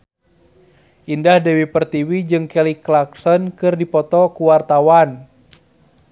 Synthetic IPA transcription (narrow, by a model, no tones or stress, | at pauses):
ʔindahdɛwipərt̪iwid͡ʒɨŋkɛliklaksɔnkɨrdipɔt̪ɔkuwart̪awan